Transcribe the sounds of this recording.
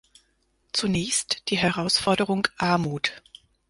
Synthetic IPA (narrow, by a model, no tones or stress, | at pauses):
t͡sunɛːçstd̥iːɦɛʁ̞aʊsfɔɐdəʁʊŋʔaɐmuːt